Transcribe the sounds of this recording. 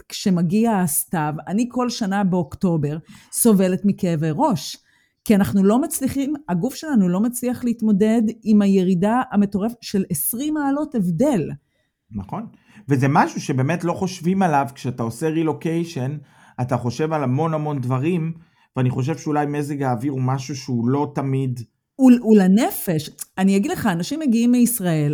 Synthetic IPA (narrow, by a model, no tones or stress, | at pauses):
kʃe̞maɡiaːstavanikʰo̞lʃanabeokto̞be̞ʁso̞ve̞le̞tmikeveʁo̞ʃ | kianaχnulo̞mat͡sliχimaɡufʃe̞lanulo̞mat͡sliaχleitmo̞de̞dimaje̞ʁidaame̞to̞ʁefʃe̞lesʁimaːlo̞tevde̞l | naχo̞n | vezemaʃuʃebeːme̞tlo̞χo̞ʃvimalavkʃeataoseʁilo̞kejʃe̞n | ataχo̞ʃe̞valamo̞nhamo̞nd̪vaʁim | veaniχo̞ʃ̬e̞vʃeulajmeziɡaːviʁumaʃuʃeulo̞tamid̪ | ululane̞fe̞ʃanijaɡidleχaːnaʃimːeɡiimːeisʁae̞l